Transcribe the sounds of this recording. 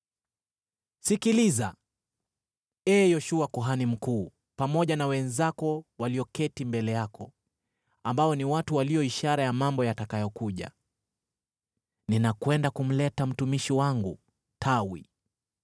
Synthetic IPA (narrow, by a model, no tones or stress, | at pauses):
sikiliza | ɛːjɔʃuakuɦanim̩kuː | pamɔʄanawɛnzakɔwaliɔkɛtimbɛlɛjakʰɔ | ambaɔniwatuwaliɔiʃaɾajamambɔjatakajɔkuʄa̰ | ninakwɛndakum̩lɛtam̩tumiʃiwaŋɡu | tʰawḭ